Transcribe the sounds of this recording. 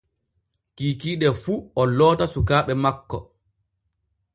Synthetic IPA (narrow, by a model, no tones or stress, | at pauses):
kiːkiːɗɛfuɔlɔːtasukaːɓɛmakːɔ